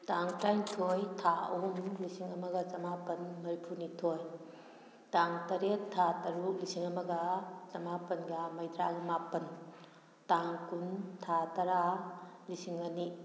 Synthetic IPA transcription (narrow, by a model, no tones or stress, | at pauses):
taŋtajŋtʰojtʰaɐumlisiŋɐmɐɡɐt͡ʃɐmapɐnmɐɾipʰuɾnitʰoj | taŋtɐɾetʰːatɐɾuk̚lisiŋɐmɐɡɐt͡ʃɐmapɐnɡɐmɐjdɾaɡɐmapɐn | taŋkuntʰatɐɾalisiŋɐni